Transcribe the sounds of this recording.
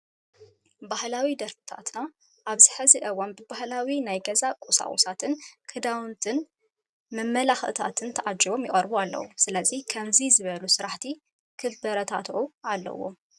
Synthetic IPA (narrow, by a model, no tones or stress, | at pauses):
bahlawid̪ɐɾfɨ̥t̪ʰa̰t̪na | ʔːβzɨħɨzɨʔɐwɐnbɨbahlawinajɡɐzakʼusa̰ʔʼṵsat̪ʰɨnkʰɨd̪awnt̪ʰɨn | mɐmːɐlaxʔɨt̪ʰa̰t̪ʰɨnt̪ʰɐʔad͡ʒiβo̞mjɪχʼɐɾbualːɐ̰wusɨlɐzikʰɐmzizɨβɐlusɨɾaħt̪ʰi | kʰɨbbɐɾɐt̪ʰa̰t̪ʔualːɐ̰wo̰